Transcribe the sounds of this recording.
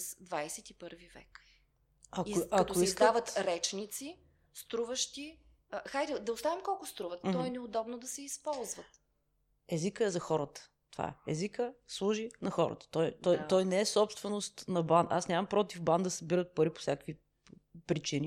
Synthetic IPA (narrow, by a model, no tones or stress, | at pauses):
zd̪vajsɛt̪ipəɾvivɛ̰k | ɐkɐtk̪oiszk̪avət̪ɾɛt͡ʃnit̪si | st̪ɾuvəʃt̪i | xajɾid̪ɐʊst̪avimkɔlˠkʊst̪ɾuvət̪t̪ɔɛnɛod̪ɔbnod̪ɐsɛispɔlˠzvət̪ | ɛzikəɛzɐxɔɾət̪ə̥ | t̪ova̰ɛɛzikəslˠuʒinɐxɔɾə̰t̪ə̥t̪ɔjt̪ɔjt̪ɔjnɛɛsɔpst̪vɛnost̪nɐband̪asnʲjamɐmpɾɔt̪ivband̪ɐsəbiɾət̪̚pɐɾipo̥sʲjakkvi | pɾit͡ʃini